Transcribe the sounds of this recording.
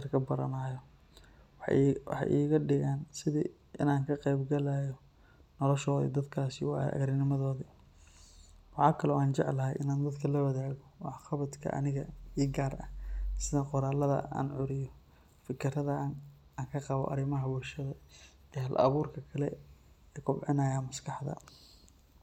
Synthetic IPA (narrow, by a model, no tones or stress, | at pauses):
rkʰɐbɐɾɐ̰naːjɔ | wħħɑ̰ʔḭːɣɐɖɪɣaːnsɪðiː | ʔɪ̰naːŋkʰɐqɛjbɡɐlaːjɔ | nɔlɔʃɔːðḭd̪ɐd̪kʰaːsijwɑ̰ɐ̰ɣɾɪnɪmɐðɔːði | wɑħɑːkʰɐlɔaːnt͡ʃɛʕlɐɦɛ̰jʔɪ̰naːnd̪ɐd̪kʰɐlɐwɐðaːɣɔwɑħxɑβɐd̪kʰɐ̰ʔɐ̰nɪɣɐiːɡaːrʔɐ̰hsɪðɐqʊɾaːlɐðɐ̰a̰ːnʕʊɾɪjɔ | fɪkʰɪrɐðɐ | aːŋkʰɐqɑβɔ̰ʔɐ̰ɾɪmɐɦɐwʊʃɐðɐɛːɦɐlʔɐ̰βuːrkʰɐkʰɐlɛɛːkʰʊbʕɪnɐːjaːmɐskʰɑħd̪ɐ̰